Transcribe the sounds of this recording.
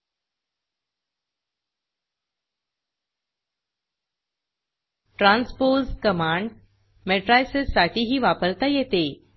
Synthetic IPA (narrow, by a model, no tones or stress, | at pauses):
ʈɾãːnspoːzʈkəmãːɳɖ | meʈɾajsezsaʈ̪ʰiɦiʋaːpəɾt̪ajet̪e